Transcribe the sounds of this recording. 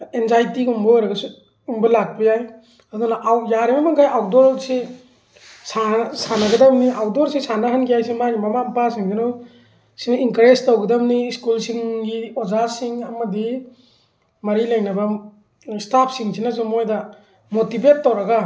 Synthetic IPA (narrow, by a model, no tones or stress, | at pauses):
enzajtiɡumbɐojɾɐɡɐsu | umbɐlak̚bɐjaj | ɐd̪unaʔawjaɾemamaŋkʰajawdɔɾsi | sasanɐɡɐdɐmniawdoɾsisanɐɦɯnkʰijajsimaɡimamampasiŋɡinow | sinɐiŋkɾestawɡɐdɐmniskulsiŋɡiozasiŋɐmɐdi | mɐɾilajnɐbɐ | stapʰsiŋsinɐsumojdɐ | motibetːowɾɐɡa